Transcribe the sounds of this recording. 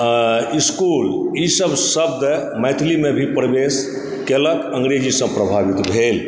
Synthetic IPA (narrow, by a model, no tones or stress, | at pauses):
iskulisəbsəb̚d̪məjt̪ʰlimebʱipɾəbes | keləkəŋɡɾed͡ʒisə̃pɾəbʱabit̪bʱel